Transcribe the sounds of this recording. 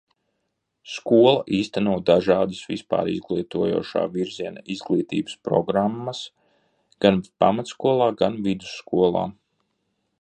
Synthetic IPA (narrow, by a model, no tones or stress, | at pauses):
skuɔlˠɐʔiːst̪anuɔd̪aʒaːd̪ɨsvispa̰ːɾḭzɡlˠiːt̪uɔjṵɔʃa̰ːviɾziɛnaizɡlˠiːt̪ḭːbɨ̥spɾɔ̰ɡɾamːas | ɡ̥anpa̰mat̪skuɔlˠaːɡanvid̪u̥sːkuɔlˠa̰ː